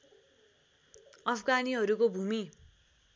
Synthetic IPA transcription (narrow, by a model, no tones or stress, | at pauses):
ʌpʰɡaniɦʌɾukobʱumi